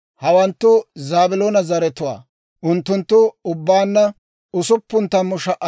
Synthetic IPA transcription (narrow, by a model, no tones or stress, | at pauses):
hɐwɐnt̪ːʊzaːbɪloːnɐzɐɾɛt̪ʊwa̰ː | ʔʊnt̪ːʊnt̪ːʊʊbːaːnːɐ | ʊsʊpːʊnt̪ːɐmːʊʃɐʔɐ